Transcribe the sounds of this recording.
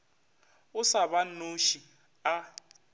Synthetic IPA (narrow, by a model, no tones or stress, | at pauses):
ʊsaβanoʃi | a